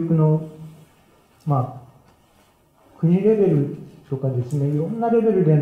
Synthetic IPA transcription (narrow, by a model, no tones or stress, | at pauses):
kɯ̟no̞ | maː | kɯ̟ɲ̟iɾe̞be̞ɾɯ̟t̪o̞kad̪e̞sɨne̞iɾõ̞nːaɾe̞be̞ɾɯd̪e̞